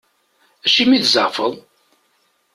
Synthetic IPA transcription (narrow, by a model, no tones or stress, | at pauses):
æʃimiθzə̰ʁfə̰ðˤ